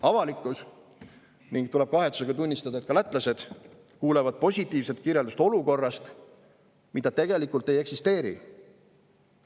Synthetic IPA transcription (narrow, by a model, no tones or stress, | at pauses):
ɑvɑlikːˑus | niŋɡ̥̚t̪ulɛ̞b̥̚kɑɦe̞t̪su̥seɡɑt̪unʲːist̪ɑd̪ɑet̪kɑlæt̪ːˑlɑse̞d̪̥ | kuːlevɑd̪̥̚po̞sʲit̪ːˑiːvset̪̚kirjeld̪ust̪o̞luko̞rːɑst̪ | mid̪ɑt̪e̞ɡ̥e̞likˑult̪ːˑe̞je̞ksist̪e̞ːɾḭ